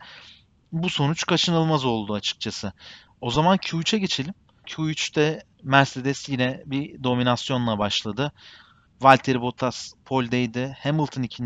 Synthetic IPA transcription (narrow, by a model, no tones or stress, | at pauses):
buso̞nut͡ʃkʰat͡ʃʰɯnɯlˠmazo̞lˠd̪uat͡ʃʰɯ̥k̚t͡ʃʰasɯ | o̞zamancʰut͡ʃʰɛɟe̞t͡ʃʰe̞lʲim | cʰuyt͡ʃt̪ɛ | mæɾse̞d̪ɛsjinɛbid̪o̞minasjo̞nlˠabaʃlˠad̪ɯ | valʲt̪ʰeɾibo̞t̪ʰaspʰo̞lʲd̪ejd̪ɪhemɯlˠt̪ʰɯnicʰin